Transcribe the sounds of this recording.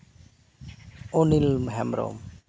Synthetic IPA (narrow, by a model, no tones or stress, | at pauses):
onilmɦɛmɾo̰m